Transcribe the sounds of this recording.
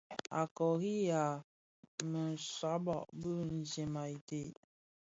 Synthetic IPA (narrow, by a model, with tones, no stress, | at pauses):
a̰˨kɔ˨ɣi˦ja˨ | mə˨n˨sa˨˦bɔ˨ʔbə˦n̩˨ze˨ma˨i˨te˨